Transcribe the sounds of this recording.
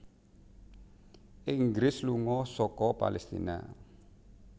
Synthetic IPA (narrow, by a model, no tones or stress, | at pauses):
ʔiŋɡɾɪsluŋɔsɔkɔpa̰lɛst̪ḭna̰